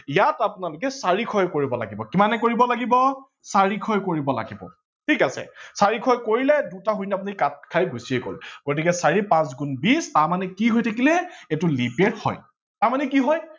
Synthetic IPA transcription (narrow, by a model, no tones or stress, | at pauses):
jatapʊnalʊkɛsaɹikʰɔjkoɹibɔla̰ɡibɔkimanɛkoɹibɔlaɡibɔ | saɹikʰɔjkoɹibɔla̰ɡibɔ̰ | tʰikasɛ̰saɹikʰɔjkoɹilɛdutaɦujnap̬unikat̚kʰajɡʱusieko̰lɡ̥ot̬ikɛsaɹipãsɡunbistaɹmanɛkiɦojtʰakilɛetʊlipeɹhɔ̰j | taɹmanɛkiɦɔj